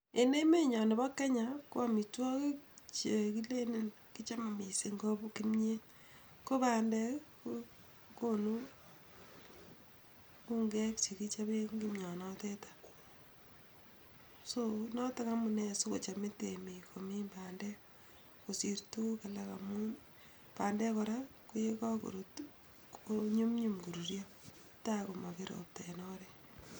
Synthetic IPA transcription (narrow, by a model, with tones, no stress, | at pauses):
e˨ne˦me˦ɲɔ˨ne˨bɔ˦kːe˦ɲa˨ko˦a˦mi˨twɔ˦kt͡ʃe˨ki˦le˦nɪ˦n | ki˦t͡ʃa˦m˨mi˨se˨ŋɡo˦bki˦mɲe˦ | ko˦ba˨ndɛ˦ko | konu˦ | ku˦ŋɡɛ˦ksi˨ki˦t͡ʃa˦βe˦ŋɡi˦mɲɔ˨nɔtetḁ | sonɔ˦ta˦ka˦munɛ˦su˦ko˨t͡ʃa˨me˦temi˨komi˦mbaːndɛ | ko˨si˨ɾtu˦ka˨laka̰˨mun | pa˨ndɛ˦kɔɾa˦ku˦jekɔ˦ko̰˨ɾot | oɲu˦mɲumɡu˨ɾu˨ɾjɔ | ta˦ko˨ma˨ke˦ɾo̰p̚ta˨nɔɾɛ